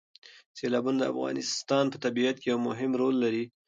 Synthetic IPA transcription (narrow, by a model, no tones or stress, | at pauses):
selɑbund̪əa̰fɣɑ̰nɪst̪ɑnpət̪abiat̪̚kejawmʊɦɪmɾolːaɾi